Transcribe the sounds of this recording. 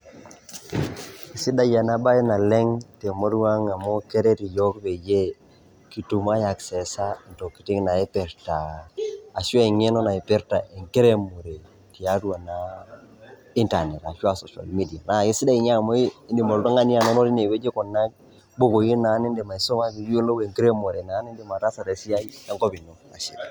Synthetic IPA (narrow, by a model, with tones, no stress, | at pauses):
i˨si˦da˦ja˨na˦ba˦ji˦na˨le˦ŋte˨mo˦ɾu˦wa˦ŋa˨mo˦ke˦ɾe˦ɾi˨jo˦kbe˨je˦ | ki˨tu˨ma˦ja˨kse˨sa˦i˨nto˨ki̥˨ti˦ŋna˨e˦pe˨ɾtaː˨ | si˦a˦i˨ŋe˦no˦na˨i˨pe˦ɾta˨i˨ŋke˦ɾe˦mo˨ɾe˨ | ti˨a˦du˦a˨na˨ | i˦nta˨ne˨ta˨ʃu˦a˨so˨ʃa̰˨lmi˦di˨a˨na˨ji˦si˦da˦i˨ɲa˦˨mo˦i˦i˦ndi˨mo˨ldo˦ŋa˦ni˦a˨no˦no˦ɾi˦ne˨be˦d͡ʒe˦ko˨nːa˦k̚ | bo˦ko˨ji˦na˨˦ni˦nde˨ma˨i˨so˦ma˦ki˨ju˦lo˦we˨ŋki˦ɾe˦mo˨ɾe˨na˨˦ni˦nde˨ma˨ɾa˦sa˨ɾe˨si˦ja˦a˦ŋko˦bi˨no˨kna̰˨ʃḭ˦˨l